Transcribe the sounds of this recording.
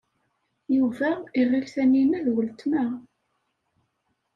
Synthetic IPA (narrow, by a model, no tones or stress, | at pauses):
juvæiʁːɪlθæninæðwəlt̪mæ